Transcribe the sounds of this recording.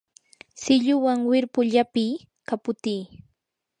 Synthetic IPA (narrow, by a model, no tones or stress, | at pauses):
sɪʎʊwaŋwɪɾpʊʎapiː | kapʊt̪iː